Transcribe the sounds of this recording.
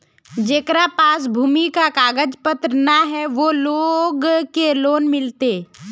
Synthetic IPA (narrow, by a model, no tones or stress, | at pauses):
d͡ʒeːkɾapaːs̬bʱuːmikakaːɡəd͡ʒpət̪ɾnaɦɛʋoloːɡkeloːnmɪlt̪e